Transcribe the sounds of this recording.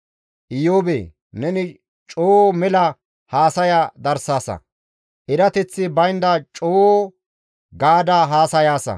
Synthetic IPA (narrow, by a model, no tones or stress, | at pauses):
ʔɪjoːbḛː | nɛnɪ | t͡ʃʼoːɔmɛlɐ | haːsɐjad̪ɐɾsaːsɐ̰ | ʔɪɾɐt̪ɛt͡sːɪbɐjnd̪ɐt͡ʃʼoːɔ | ɡaːd̪aɦaːsɐjaːsɐ̰